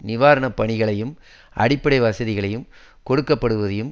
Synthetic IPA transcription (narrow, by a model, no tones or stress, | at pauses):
nɪʋaːɾɐɳɐpːɐɳɪɣɐɭɐjɯm | ʔɐ̰ɽɪpːɐɽɐɪʋɐsɐðɪɣɐɭɐjɯm | kɔɽɯkːɐpːɐɽɯʋɐðɐjɯm